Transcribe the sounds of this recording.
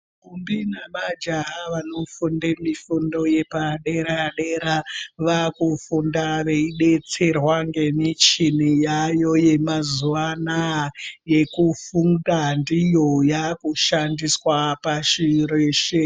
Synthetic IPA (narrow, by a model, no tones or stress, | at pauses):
kumbinamad͡ʒaɦaʋanofundemifundo̞je̞paɗeɾaɗeɾaʋakufundaʋe̞iɗe̞t͡se̞rwaŋɡe̞mit͡ʃinijajo̞je̞mazuʋanaje̞kufundandijojakuʃandiswapaʃiɾeːʃe